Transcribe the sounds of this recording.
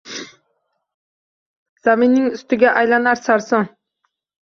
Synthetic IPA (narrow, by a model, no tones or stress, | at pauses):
z̥aminːɪŋʊst̪ɪɡʲaʔajlanaɾsaɾsoŋ